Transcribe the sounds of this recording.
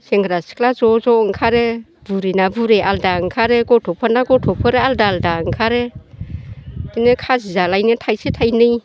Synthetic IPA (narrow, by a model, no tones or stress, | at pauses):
seŋɡɾasi̥klazɔzɔŋkʰaɾe | buɾinabuɾeʔaldaɯŋkʰaɾeɡɔtʰɔpʰɔnaɡɔtʰɔpʰɯɾealdaldaɯŋkʰaɾe | d̥inekʰazizalajnɯtʰajsetʰajnɯj